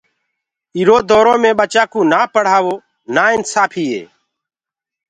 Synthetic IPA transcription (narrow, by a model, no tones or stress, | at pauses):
iːɾoːd̪oːɾõːmẽːɓət͡ʃaːkũːnaːpəɽ̤aːʋoː | naːɪnsaːpʰiːɦḛː